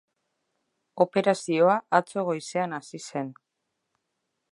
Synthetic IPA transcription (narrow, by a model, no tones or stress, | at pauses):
o̞pe̞ɾasio̞aʔat͡so̞ɣ̞o̞jse̞anasise̞n